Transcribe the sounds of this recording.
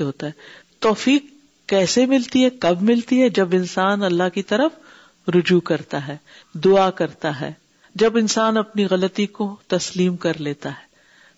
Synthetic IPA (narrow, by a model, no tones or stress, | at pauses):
ɦoːt̪aɦɛː | t̪ɔːfiːkː | ɛːsemɪlt̪iɦɛkɐbmɪlt̪iɦɛd͡ʒɐbɪnsaːnɐlːaɦkit̪ɐɾəf | ɾʊd͡ʒukɐɾt̪aɦɛː | d̪ʊakɐɾt̪aɦɛ̰ː | d͡ʒɐbɪnsaːnɐpniɣɐlət̪ikot̪ɐsliːmkɐɾleːt̪aɦɛː